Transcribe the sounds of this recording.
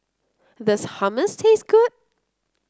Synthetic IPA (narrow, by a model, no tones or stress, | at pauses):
ðɪshʌməstʰeɪsɡ̥ʊd̥̚